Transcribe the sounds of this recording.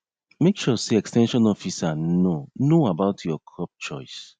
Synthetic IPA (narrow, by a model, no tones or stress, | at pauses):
mekʃɔseɛkstɛ̃nʃɔ̃nɔfisanonoabaʊtʰjɔkʰɹɔp̚t͡ʃɔɪs